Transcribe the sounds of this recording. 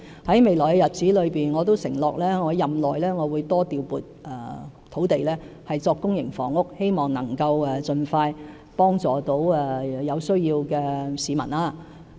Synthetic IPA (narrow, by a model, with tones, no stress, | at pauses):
hɐ˨˥jme˨jlɔː˨˩jɛ˧jɐ˨t̚t͡siː˨˥lɵ˨˧ɥpiː˨nŋɔː˨˧t̪̬o˥wsɪ˨˩ŋlɔː˨k̚lɛː˥ŋɔː˨˧jɐ˨mlɔː˨jlɛː˥ŋɔː˨˧wuː˨˧jt̪ɔː˥t̪iː˨wpuː˨˩t̚ɛː˨˩ | t̪ʰo˨˥wt̪e˨jlɛː˥ | hɐ˨jt͡sɔː˧kːʊ˥ŋjɪ˨˩ŋfɔ̰ː˨˩ŋʊ˥k̚he˥jmɔː˨˩ŋnɐ˨˩ŋkɐ˧wɛ˨t͡sɵ˨nfaː˧j | pɔː˥ŋt͡sɔː˨t̪o˨˥wɛ˨jɐ˨˧wsɵ˥ɥjiː˧wkɛː˧siː˨˧mɐ̰˨˩naː˧